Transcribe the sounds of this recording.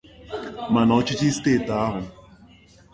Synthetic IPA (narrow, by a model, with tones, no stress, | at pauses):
ma˨na˨o˦t͡ʃi˦t͡ʃi˦steː˦˨ta˦ɦʊ˨